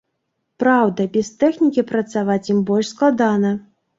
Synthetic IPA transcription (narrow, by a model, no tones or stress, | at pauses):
pɾawd̪ɐbʲɛst̪ɛxnʲikʲipɾɐt̪savat͡sʲjimbɔlʲʂsklˠad̪anɐ